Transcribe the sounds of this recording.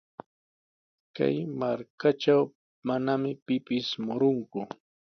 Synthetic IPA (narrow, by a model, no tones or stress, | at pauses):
ka̰jmaɾkaʈ͡ʂaw | manamɪpɪpɪsmʊɾʊŋkʊ